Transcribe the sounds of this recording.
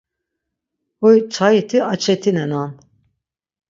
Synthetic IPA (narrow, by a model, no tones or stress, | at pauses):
ɔjt͡sʰajit̪ʰiat͡ʃʰɛt̪ʰinɛnan